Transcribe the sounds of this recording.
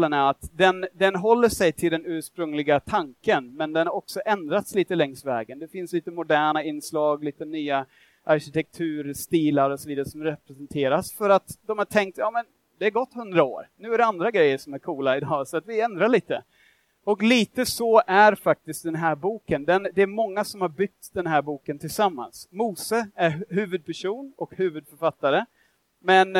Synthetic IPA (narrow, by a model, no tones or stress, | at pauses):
lənæat̪d̪ɛnd̪ɛnɦɔlːəʂɛjt̪ʰɪld̪ɛnʉ̟ːʂpɾɵŋlɪɡat̪ʰaŋkənmɛnd̪ɛnhaɾɔksɔʔɛnd̪ɾat̪sliːt̪əlɛŋsvɛ̰ːɡənd̪ɛfɪnsliːt̪əmʊd̪æːɳaɪnːslɑːɡliːt̪ənyːa | ʔaɾɕɪt̪ʰɛk̚t̪ʰʉ̟ːɾst̪iːlaɾɔsɔviːd̪aɾəsɔmɾɛpɾɛsɛnt̪ʰeːɾasfœɾat̪d̪ɔmhaʈʰɛŋk̚t̪jɑːmɛn | d̪ɛæɾɡɔt̪ːhɵnd̪ɾao̰ːɾnʉ̟ːæɾɛand̪ɾaɡɾɛjːəʂɔmæɾkʰuːlaɪd̪ɑːsɔat̪vɪɛnd̪ɾaɭiːt̪ə | ɔkliːt̪əsɔʔæɾfak̚t̪ɪst̪̚d̪ɛnɦæːɾbuːkənd̪ɛnd̪ɛæɾmɔŋːasɔmhaɾbʏk̚t̪d̪ɛnɦæːɾbuːkənt̪ʰɪlsamːa̰nsmuːsəæɾɦʉ̟ːvɵd̪̚pʰæʂuːnɔkhʉ̟ːvɵd̪fœɾfat̪ːaɾə | mɛn